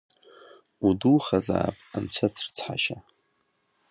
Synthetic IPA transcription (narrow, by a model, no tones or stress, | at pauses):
uduχaza̰ːpʼant͡ɕʷʰat͡sʰrt͡sʰħa̰ʃa